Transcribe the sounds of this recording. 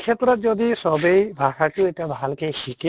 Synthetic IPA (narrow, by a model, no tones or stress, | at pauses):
kʰet̪ɾɔt̪̚zɔd̪isɔbejbʱasaʈʊetiabʱalkejxik